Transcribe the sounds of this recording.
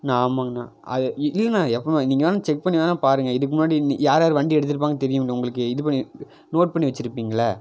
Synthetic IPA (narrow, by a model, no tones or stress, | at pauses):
naːmaːɐnã̰ː | ʔɐ̰ðɯɪlːɐnãːɛpːomniːŋɡɐaːnaːt͡ʃɛk̚pɐɳːiʋaːnãːpaːɾɯŋɡɐɪðɯkːɯmʊnːaːɽinjaːɾaːɾɯʋɐɳɖiɛɽɯt̪̬ːɯɾɯp̬ːaːŋɡɐt̪ɛɾɪjʊ̃mŋːɐʊŋɡɐɭɯk̬ːɯɪðɯpɐɳːi | noːʈ̚pɐɳːiʋɐt͡ʃːɪɾɯpːiːŋɡɐlːɐ